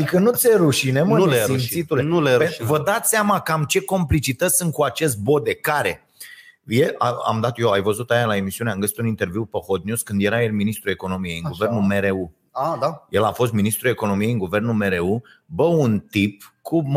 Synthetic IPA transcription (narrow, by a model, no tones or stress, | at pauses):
ad̪ikənut̪seɾuʃineməint̪sit̪ulenleevəd̪at̪ʲseamakəamt͡ʃe̞ko̞mplit͡ʃit̪əsʲsɨnt̪̚kuat͡ʃe̞st̪̚bo̞d̪e̞kaɾe̞ | jeaa̰md̪at̪joajvəzut̪ajalae̞misiuneamɡəsit̪unint̪e̞rviwpəho̞t̪̚njuskɨnd̪je̞ɾajelminist̪ɾue̞ko̞no̞mije̞jɨŋɡuvernume̞ɾeu | ad̪aje̞lafo̞s̬t̪̚minist̪ɾue̞ko̞no̞mijeɨŋɡuve̞rnulme̞ɾe̞u | bəunt̪ipkʰum